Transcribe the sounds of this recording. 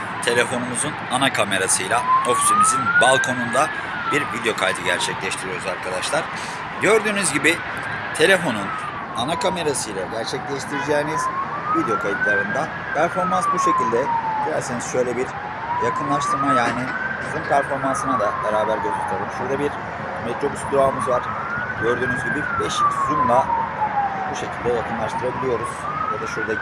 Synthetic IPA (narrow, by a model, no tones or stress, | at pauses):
t̪ʰe̞lʲe̞fo̞numuzunanakʰame̞ɾasɯjlˠao̞fi̥simizinbalˠkʰo̞nund̪a | biɾvid̪eo̞kʰajt̪ʰɯɟæ̰ɾt͡ʃʰɛclʲɛʃt̪ʰiɾijo̞ɾuzaɾkʰad̪aʃlˠaɾ̥ | ɟø̞ɾd̪yːnyzɟibi | t̪ʰe̞lʲe̞fo̞nun | anakʰame̞ɾasɯjlˠaɟæɾt͡ʃʰɛclʲɛʃt̪ʰiɾid͡ʒɛːniz̥ | vid̪ejo̞kʰajit̪lˠaɾɯnd̪a | pʰæɾfo̞ɾmansbuʃe̞cilʲd̪ɛd̪ijæɾsiniz̥ʃø̞jlʲɛbiɾ | jakʰɯnlˠaʃt̪ʰɯɾmajaːniɪ | zɯnpʰæɾfo̞ɾmansɯnad̪abeɾaːbæɾɟøzyɾt̪ʰʲeɾɯmʃuɾd̪abiɾ | met̪ɾo̞busd̪uaːmɯzvaɾ̥ | ɟø̞ɾd̪yːnyzɟibibɛʃtʰyzynd̪ˠa | buʃe̞cʰilʲd̪ɛjakɯnlˠaʃt̪ʰɯɾabilʲijo̞ɾuz̥ | jad̪aʃuɾd̪a